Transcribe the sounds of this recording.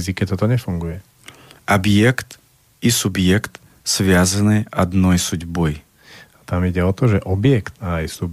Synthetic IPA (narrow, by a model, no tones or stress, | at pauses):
zikɛt̪ɔt̪ɔɲɛfuŋɡujɛ | ʔabjɛkt̪ | isubjɛkt̪ | sʋɪazanɛʔad̪nɔjsuɟbɔj | at̪amiɟɛɔt̪ɔʒɛʔɔbjɛkt̪aːjsub